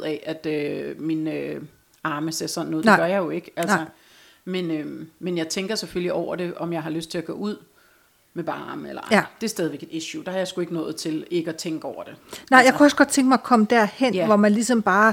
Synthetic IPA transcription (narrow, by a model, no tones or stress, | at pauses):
ð̰ˠɛʔæd̥øminø | ɑ̈ːməseɐsɒ̽n̩ːɔːð̩ˠdɡɶɐjɑ̈ɪjo̝e̝ɡ̥əælsɐ | menømːenjɑ̈ɪt͡sʰeŋɡ̥ɐsefølliʔɒʊ̰ɐɾe̝ʔɒ̽mjɑ̈ɪɦɑ̈løsd̥̚t͡sʰe̝læɡ̥ɔ̰ːuð̞̰ˠ | meb̥ɑ̈nelɐɑd̥e̝æɐsd̥ɛðˠʋeɡ̥e̝d̥iɕjud̥ɑ̈hɑ̈jɑɪsɡ̥ue̝ɡ̥ənɔ̽ːð̞̩ˠt͡sʰe̝le̝ɡ̥əæt͡sʰeŋɡ̥əɒʊ̰ɐd̥ɾ̥e̝nɑ̈ɪ̰jaɪkuɒ̽sɡ̥ɒd̥̚t͡sʰeŋɡ̥mɑ̈ɪkʰɒ̽məd̥æɐhen̰ʋɒmænlisɒ̽mb̥ɑ̈ː